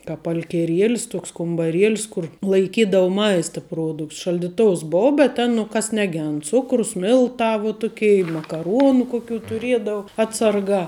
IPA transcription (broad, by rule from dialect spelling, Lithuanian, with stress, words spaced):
kɑːp ɐlʲkʲɛˈrʲiɛlʲɪs ˈtuɔks kʊmbɐˈrʲiɛlʲɪs ˈkʊr lˠɐɪˈkʲiːdɐʋʊ ˈmɐɪstɐ ˈpruɔdʊkts ʃɐlʲdʲɪˈtoːʊs ˈboːʊ bʲɛt ˈtʲɛn nʊ ˈkɐs nʲɛˈɡʲɛnt ˈt͡sʊkrʊs ˈmʲɪlˠtɑː ʋoː ˈtʊkʲɛɪ ɪ mɐkɐˈruɔnʊ kʊˈkʲuː tʊˈrʲiɛdɐʊ ˈɑːtsɐrˌɡɑː